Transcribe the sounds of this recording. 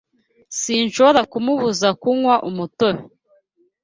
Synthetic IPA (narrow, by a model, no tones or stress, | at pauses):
siːnʃoβoɾakumuβuzakuŋwaʔumutowe